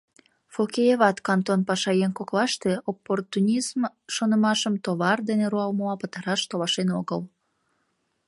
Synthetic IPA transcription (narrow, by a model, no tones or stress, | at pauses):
fokejeβɑt̪kɑnt̪onpɑʃɑjenkoklɑʃt̪eopːort̪unʲism | ʃonəmɑʃəmt̪oβɑrd̪eneɾuɑlməmɑpət̪ɑɾɑʃt̪olɑʃenoɣəl